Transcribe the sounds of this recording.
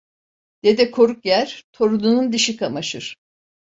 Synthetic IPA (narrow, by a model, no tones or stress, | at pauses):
d̪̥ed̪ɛkʰo̞ɾukjæɾ̥t̪ʰo̞ɾud̪unund̪iʃikʰamaʃɯɾ̥